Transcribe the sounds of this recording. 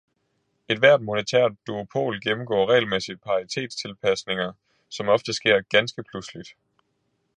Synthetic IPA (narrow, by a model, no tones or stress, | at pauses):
e̝d̥ʋæɐ̰d̥mo̝nət͡sʰæ̰ɐ̰dd̥uopʰo̝̰ːlɡ̥emm̩ɡ̥ɔ̰ːʁɛ̰ːlmesid̥̚pʰɑ̈it͡sʰe̝̰ːd̥st͡sʰe̝lpʰæsne̝ŋɐ | sɒ̽mɒ̽fd̥əsɡ̥e̝ɐ̰ɡ̥ænsɡ̥əpʰluslid̥